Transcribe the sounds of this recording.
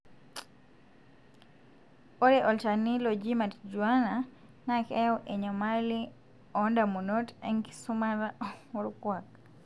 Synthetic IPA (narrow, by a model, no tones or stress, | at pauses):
oɾɛʔɔlt͡ʃanilod͡ʒimatd͡ʒuana | nakɛwʔeɲɔmali | ɔndamunotɛŋki̥sumaɾaɔmuɾkwak̚